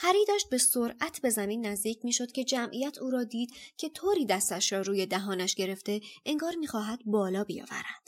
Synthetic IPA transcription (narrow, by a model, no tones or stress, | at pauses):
hæɾiːd̪æːʃt̪̚be̞soɾʔæt̪ʰbe̞zæmiːnːæzd̪iːcʰmiːʃo̞d̪̥cʰe̞d͡ʒæmʔijæt̪ʰuːɾɒːd̪iːd̪̥cʰe̞t̪ʰoːɾiːd̪æst̪æʃɾɒːɾuːje̞d̪æɦɒːnæʃɟe̞ɾe̞ft̪e̞ʔeŋɡɒːɾmiːxɒːɦæd̪̥̚bɒːlɒːbijɒ̰ːvæ̰ɾænd̪̥